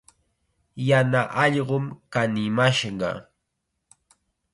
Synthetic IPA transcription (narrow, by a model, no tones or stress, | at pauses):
janaʔɑʎɢʊmkanɪmaʃɢɑ̰